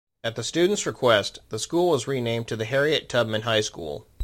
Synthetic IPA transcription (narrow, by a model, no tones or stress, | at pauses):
ɨt̪̚ðɨstʉdⁿn̩tsɹɨkʰw̥ɛstðəskulˠwʌzɹinẽɪ̃mtʰɨðɨɦɛɹiɨtʰʌb̚mɨ̃nɦaɪskṵlˠ